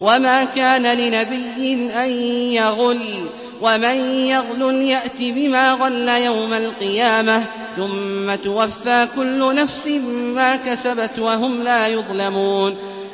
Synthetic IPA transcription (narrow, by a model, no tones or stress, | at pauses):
wamaːkaːnalɪnabɪjːɪnʔanjaɣʊl | wamanjaɣlʊljaʔt̪ibɪmaːɣɑlːajawmalqɨjaːma | θʊmːat̪ʊwafːaːkʊlːʊnafsɪmaːkasabat̪waɦʊmlaːjʊðˤlamuːn